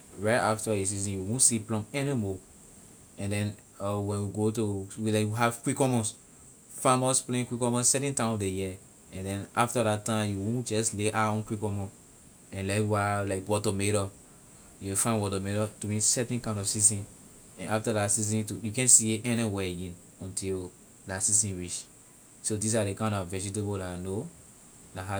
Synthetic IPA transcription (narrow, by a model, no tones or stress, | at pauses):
ɹɛaftajes̬izĩnjuwõnsiplɔ̃mɛnimɔ | ɛ̃ndɛ̃n | ɔwɛ̃nwiɡotuwilaɪkjiɦav̥kwikɔmɔ̃s | famɔsplẽnkwikɔmɔ̃ssɛtɛ̃ntãdejɛ | ɛ̃ndɛ̃naftadatːãɪ̃mjuwõd͡ʒɔsleʔaɔ̃nkwikɔmɔ̃ | ɛ̃nlakwalaɪkwɔtɔmeɾɔ | juwfãɪ̃nwɔtɔmeɾɔtuĩnsɛtɛ̃nkãɪ̃ndɔfsisĩn | ɛ̃naftadasiz̬ĩntujukɛ̃nsiʔɛ̃nɛ̃wɛĩn | ɔ̃ntʰil | dasisĩnɹit͡ʃ | sodis̬adekãɪ̃ndɔvɛd͡ʒit̬ebolano | naɦa